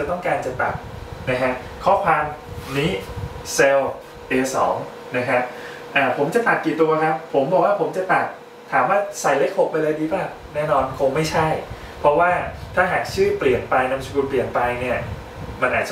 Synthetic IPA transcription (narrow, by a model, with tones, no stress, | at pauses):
t͡ɕa˨˩t̪ɔ˥˩ŋkaː˧nt͡ɕa˨˩t̪a˨˩k̚na˦˥kʰa˦˥ʔ | kʰɔː˥˩kʰwaː˧mniː˦˥se˧w | ʔeː˧sɔː˩˦ŋ | na˦˥kʰa˦˥p̚ | ʔaː˧˩pʰo˩˦mt͡ɕa˨˩t̪a˨˩k̪̚ːiː˨˩t̪ːu˧ɐ˧kʰa˦˥pʰːo˩˦mbɔː˨˩k̚waː˥˩pʰo˩˦mt͡ɕa˨˩t̪a˨˩t̪̚ | tʰːaː˩˦mwaː˥˩sa˨˩jle˦˥k̚ho˨˩p̚ʔa˧ɾa˧jdiː˧baː˥˩ŋ | nɛː˥˩nɔː˧nkʰo˧ŋma˥˩jt͡ɕʰa˥˩j | pʰɾɔ˦˥waː˥˩t̪ʰaː˥˩ɦaː˨˩k̚t͡ɕʰɯː˥˩pli˨˩ənpa˧jna˦˥msʰu˧kuː˧npli˨˩ənpa˧jni˥˩ɐ | ma˧nʔaː˨˩t̚t͡ɕ